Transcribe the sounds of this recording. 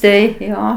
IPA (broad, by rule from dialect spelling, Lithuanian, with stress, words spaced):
ˈtɐɪ ˈjoː